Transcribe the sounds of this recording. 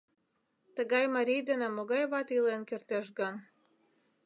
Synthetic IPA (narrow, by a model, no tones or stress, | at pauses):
t̪ə̆ɡɑjmɑɾʲijd̪enæmoɡɑjβɑt̪ilˠenkʲɘrt̪eʃɡɤn